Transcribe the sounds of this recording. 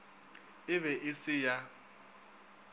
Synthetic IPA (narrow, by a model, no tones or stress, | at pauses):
ɪβɛʔɪsɪja